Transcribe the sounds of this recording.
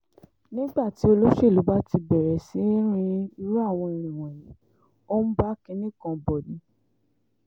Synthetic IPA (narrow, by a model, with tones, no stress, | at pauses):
nĩ˦ɡ͡ba˦˨ti˨˦o˧lo˦ʃe˦˨lu˨˦ba˦ti˧bɛ˨ɾɛ˨si˨˦ɾ̃ĩ˧i˧ɾu˦a˦˨w̃ɔ̃˧ĩ˧ɾ̃ĩ˨w̃ɔ̃˨jĩ˨˦ | o˦m̩˦ba˦ki˧nĩ˦kã˧bɔ˨dĩ˨˦